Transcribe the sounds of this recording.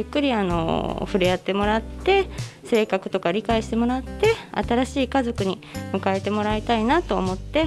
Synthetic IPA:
jɯkːɯ̟ɾʲiano̞̰ɸɯ̟ɾejat̪ːe̞mo̞ɾat̪ːe̞se̞ːkakɯ̟̥t̪o̞kaɾʲikaiɕi̥t̪e̞mo̞ɾat̪ːe̞a̰t̪aɾaɕiːkazo̞kɯ̟ɲ̟imɯ̟kae̞t̪e̞mo̞ɾait̪ainat̪o̞̰ːmo̞t̪ːe̞

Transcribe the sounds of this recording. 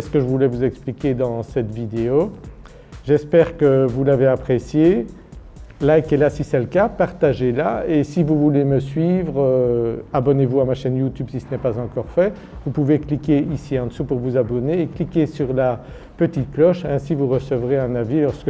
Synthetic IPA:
ɛsə̥kəʒəvulɛvuzɛksplikʲed̪ɑ̃sɛt̪vid̪eo | ʒɛspɛːʁkəvulaveapχesje | lajkɛlasisɛləkapaʁt̪aʒelaesivuvuleməsɥivʁøabɔnevuamaʃɛnjut̪ybsisənɛpazɑ̃kɔʁfɛ | vupuveklikʲeisiɑ̃d̪əsupuʁvuzabɔneːklikʲesyʁla | pət̪it̪̚klɔʃɛ̃sivuʁəsəvʁeɛ̃navilɔʁsk

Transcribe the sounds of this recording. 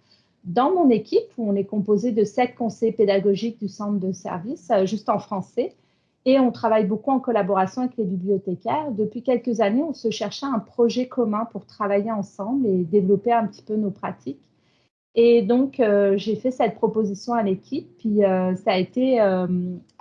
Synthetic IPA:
d̪ɑ̃mɔ̃nekʲʰipuɔ̃nɛkɔ̃pozed̪əsɛt̪̚kɔ̃sɛjped̪aɡɔʒik̚d̪ysɑ̃t̪χd̪əsɛ̰ʁvisʒyst̪ɑ̃fχɑ̃sɛ | eɔ̃t̪χavajbokuɑ̃kɔlabɔʁasjɔ̃avɛklebiblijɔt̪ekʲɛʁd̪əpɥikʲɛlkəzaneɔ̃səʃɛʁʃaɛ̃pχɔʒɛkʰɔmɛ̃puʁt̪χavajeɑ̃sɑ̃bled̪evlɔpeɛ̃pət̪i̥pønopχa̰t̪ʰikʲ | ed̪ɔ̃køʒefɛsɛt̪̚pχɔpozisjɔ̃alekʲʰipːɥiøsaːet̪eøm

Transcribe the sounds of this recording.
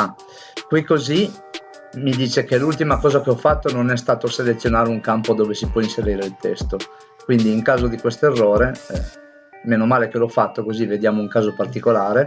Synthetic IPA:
a | kwikːozi | mid̪iːt͡ʃekelult̪imakɔːzakeɔfːat̪ːononɛst̪aːt̪oselet̪sːjonaːɾeuŋkampod̪oːvesipwɔinseɾiːɾeilt̪ɛst̪o | kwind̪iːŋkaːzod̪ikwest̪oerːoːɾeɛ̰ | meːnomaːlek̟eloɔfːat̪ːokozived̪jaːmouŋkaːzopart̪ikolaːɾe

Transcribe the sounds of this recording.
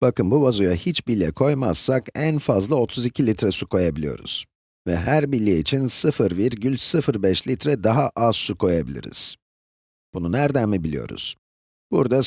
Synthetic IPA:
b̥akɯnbuvazujahit͡ʃbilʲːɛkʰo̞jma̰z̥sakænfazlˠao̞t̪ʰuzicʰilʲit̪ɾɛsukʰo̞jabilʲijo̞̰ɾṵz̥ | vɛɦæɾbilʲːɛit͡ʃʰinsɯfɯɾviɾɟylʲsɯfɯɾbɛʃlʲit̪ɾɛd̪aɦaʔaz̥sukʰo̞jabilʲḭɾḭz̥ | b̥ununæɾd̪ænmibilʲḭjo̞̰ɾṵz̥ | b̥ṵɾd̪a

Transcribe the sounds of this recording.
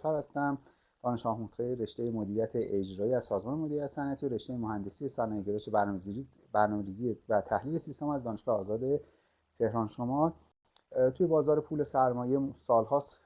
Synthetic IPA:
æɾhæst̪æm | d̪̥ɒːneʃɡ̥ɒːhmot̪ɢeɾe̞ʃt̪ejemod̪iːɾijæt̪ʰeʔed͡ʒɾɒːiːæz̥sɒːzmɒːnemo̞d̪iɾiæt̪esænʔæt̪ʰiɾe̞ʃt̪ejemohænd̪e̞sijesænɒːjeɡeɾoʃeæ | bæɾnɒːmeɾiːzievæt̪ʰæhliːle̞sist̪omæzd̪ɒːneʃɡɒːheɒːzɒːd̪e̞ | t̪ʰe̞hɾɒːnʃomɒː | t̪ʰujebɒːzɒːɾepʰuːle̞sæɾmɒːje̞sɒːlhɒːs

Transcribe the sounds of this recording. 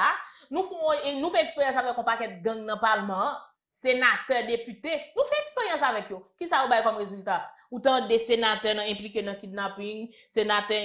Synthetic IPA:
anũfɔ̃nũfɛɛkspeʁjɑ̃savɛkɔ̃pakɛt̪̚ɡɐ̃ŋnɐ̃palmɐ̃ | senat̪ɛd̪epyt̪enũfɛɛkspeʁjɐ̃savɛkjokisaobajkɔmʁezylt̪aut̪ɐ̃d̪esenat̪ɛnɐ̃ɛ̃plikenɐ̃kid̪̚napĩŋ | senat̪ɛ

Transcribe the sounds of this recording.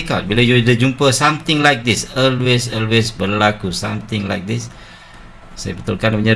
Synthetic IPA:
kat̚bilojudəd͡ʒumpəsãmt̪ɪ̃ŋlajk̚disɔlwesɔlwesbərlakusãmt̪ɪ̃ŋla̰jk̚dis | sajə̰bət̪ulkanpuɲa

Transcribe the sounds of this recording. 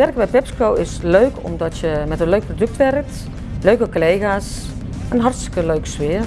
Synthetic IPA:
ʋɛrkəbɛjpɛpskowɪsløːkʰɔ̰mdɔtjəmɛtənløɥk̚prodøk̚tʋɛrk̚t | løɥkəkoleːɣaːs | ənɦɑrtstɪ̥kəløːksʋɪər

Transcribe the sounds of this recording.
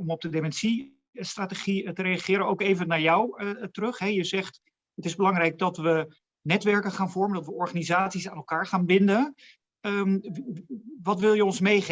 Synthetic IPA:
ɔmɔb̚dədemɛnsi | straːteχitərɾejaχɪːɾənowkejvənaːɹjɔwtərɵχɦɛjəzɛχt | ətɪzbəlɑŋrɛjɡ̚dɑtʋə | nɛtʋɛɹkəχaːnvɔɹməndɑtʋəɔɹχaːnizaːtsisaːnɛlˠkaːɹχaːnbɪndən | əm | ʋɑtʋɪlˠjəɔnsmejχ

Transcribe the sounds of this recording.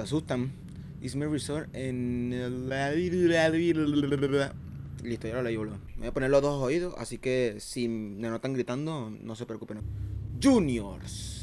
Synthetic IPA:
asust̪am | ḭsmerisoɾenelaiaðβiɾa | list̪ojalolajβolomeβaponeloðosoiðo̞sa̰sike̞simenot̪aŋɡɾit̪and̪ono̞sepɾeoku̥penad͡ʒunjo̰ɾs

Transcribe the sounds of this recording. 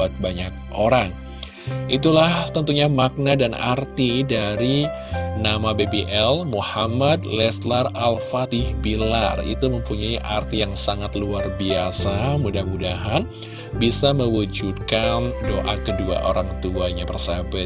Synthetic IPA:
at̪̚baɲak̚ʔoɾaŋ | ʔit̪ulaht̪ənt̪uɲamak̚nadanʔa̰rt̪idaɾi | namabebeʔɛlmuhamadlɛslaralfat̪ɪhbila̰rḭt̪uməmpuɲaiʔa̰rt̪ijaŋsaŋat̪luarbiasamudahmudaɦan | bisaməwud͡ʒut̪̚kandoʔakədua̰ʔo̰ɾaŋt̪uaɲapərsaba

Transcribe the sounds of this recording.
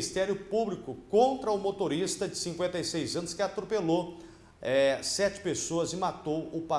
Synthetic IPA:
ist̪ɛɾjʊpublikʊkõnt̪ɾɐʊmot̪oɾist̪ɐd͡ʒɪsĩŋkwẽnt̪ɐjsejzɐ̃nʊskɪat̪ɾopelo | ɛsɛt͡ʃɪ̥pesoɐzɪmat̪owʊpa

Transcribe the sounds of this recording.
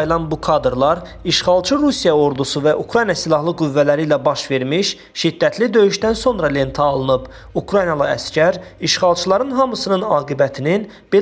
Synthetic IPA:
jlˠɑnbukʰɑd̪ɾlˠɑɾ | iʃχɑlˠt͡ʃʰɯɾusijɑo̞ɾd̪usuvæʔukɾɑjnjɑsilˠɑɦlˠɯɡuvːælæɾiːlæbɑʃve̞ɾmiʃ | ʃid̪ːæt̪ʰlid̪ø̞jyʃd̪ænso̞nɾɑle̞nt̪ʰɑːlˠɯnɯb | ukʰɾɑjnjɑlˠɑæ̰scʰæɾiʃχɑlˠt͡ʃʰɯlˠɑɾɯnɦɑmɯsɯnɯnɑːɡibæt̪ʰinin | b̥e

